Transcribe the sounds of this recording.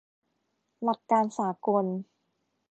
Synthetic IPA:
la˨˩k̪̚kːaː˧nsaː˩˦ko˧n

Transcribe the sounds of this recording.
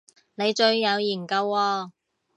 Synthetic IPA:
ne˨˧jt͡ʃɵ˧ɥːɐ˨˧wjiː˨˩nkɐ˨˧wːɔː˧

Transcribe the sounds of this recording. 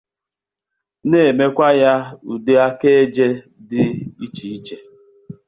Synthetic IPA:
ne˨e˨me˦kʷa˦ja˦u˨de˦a˦ke˦e˦d͡ʒe˦ | dɪ˦i˦t͡ʃi˨i˦t͡ʃe˦

